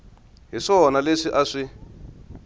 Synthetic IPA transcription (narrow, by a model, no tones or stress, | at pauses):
ɦiʂɔnaleʂiʔaʂi